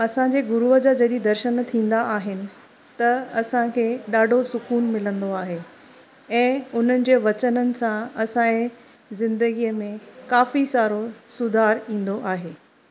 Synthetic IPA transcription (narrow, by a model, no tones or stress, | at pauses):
ɐsãɲd͡ʑeːɡʊɾuəd͡ʑaːd͡ʑɐɗid̪ɐɾʃənt̪ʰĩːn̆d̪aʔːɦɪnɪ̆ | t̪ɐɐsãkʰeːɗaːɖʱosʊkuːnmɪlə̃nd̪oaːɦe | ɛ̃ːʊn̤ənɪ̆d͡ʑeːʋɐt͡ɕənənɪ̆sãɐsãe | zɪ̃nd̪əɡiəmẽkaːfisaːɾosʊd̪ʱaːɾĩːn̆d̪oʔaːɦeː